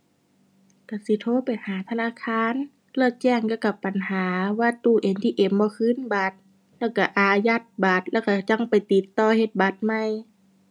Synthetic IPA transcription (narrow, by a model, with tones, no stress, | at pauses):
ka˧˩si˧˦t̪ʰoː˧˨pa˨˩jhaː˨˦t̪ʰa˧naː˧˥˨kʰaː˧˥˨n | lɛː˧˩t͡ɕɛː˧˩˨ŋka˧˩ka˧˩pːa˨nhaː˨˦waː˧˩t̪uː˧˩ʔe˨˦nt̪ʰiː˧˨ʔe˨˧˦mbɔː˧˦kʰɯː˧˥˨nba˧˦t̪̚ | lɛː˧˥˩wka˧˩ʔaː˨˧ja˧t̪̚ba˨˧˦t̪̚lɛː˧˩wka˧˩t͡ɕa˧˩ŋpa˨˩jt̪i˨˦t̪ːɔː˧˩he˧t̪̚ba˧˦t̪̚ma˧˨j